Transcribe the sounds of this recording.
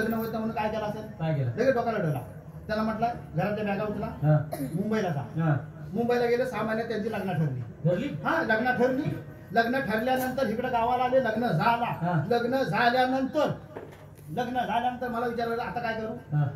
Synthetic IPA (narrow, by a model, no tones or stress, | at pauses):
ləɡnəɦəot̪am̤əɽuːnkajkɛlaəselkajkɛlaləɡiːbət̪aləɽəla̰ | t̪jalam̤əʈləɡʱəɾat̪ljabaɡaut̪ʰlaɦãmumbəilad͡za̰ɦãmumbəilaɡeləsamaljat̪jant͡ɕiːləɡnaʈʰəɽlḭːʈʰəɾliɦãləɡnaʈʰəɽliː | ləɡnəʈʰəɾljanənt̪əɾɦikɽeɡ̪aʋalaleləɡnəd͡zʱalaɦãləɡnəd͡zʱaljanənt̪əɾ | ləɡnəd͡zʱaljanənt̪əɾməlaʋit͡ɕaɾʋələat̪akajkəɾuːɦã